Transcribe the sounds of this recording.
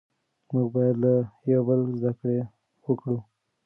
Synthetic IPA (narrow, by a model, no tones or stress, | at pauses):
muɡ̚bɑjad̪lajawbəlzd̪akɽe | wəkɽu